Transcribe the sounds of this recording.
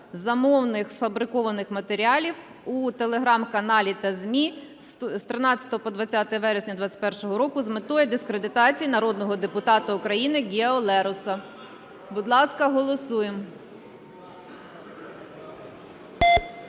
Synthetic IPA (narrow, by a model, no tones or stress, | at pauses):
zɐmɔwnɪxsfɐbɾɪkɔʋɐnɪxmɐt̪eɾʲiɑlʲiw | ut̪elˠe̞ɦɾɑmkɐnɑlʲit̪ɐzʲmʲi | st̪ɾɪnɑt͡sʲːɐ̥t̪ɔɦɔpɔd̪ʋɐt͡sʲːɑt̪ɛjɛʋɛɾesʲnʲɐd̪ʋɑt͡sʲɐ̥pɛrʃɔɦɔɾɔkʊzmɪt̪ɔjɛd̪ɪskɾed̪ɪt̪ɑt͡sʲijinɐɾɔd̪nɔɦɔd̪epʊt̪ɑt̪ɐʊkɾɐjinɪɡʲiɔlˠɛɾʊsɐ | bʊd̪lˠɑskɐɦɔlˠɔsujem